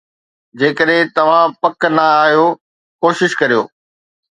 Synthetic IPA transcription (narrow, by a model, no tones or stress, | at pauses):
d͡ʑeːkəɗɦɪ̃t̪ɐʋ̤ãpɐknɐaːɦijo | koːʃɪʃkɐɾijo̰ː